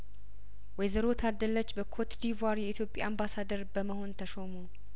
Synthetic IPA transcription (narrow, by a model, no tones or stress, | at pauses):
wɛjzəɾo̞t̪ʰad̪ːəlːət͡ʃːbəkʰot̪d̪ivaɾjɛit̪jo̞pʼja̰ambasad̪əɾbəməho̞nt̪ʰəʃomu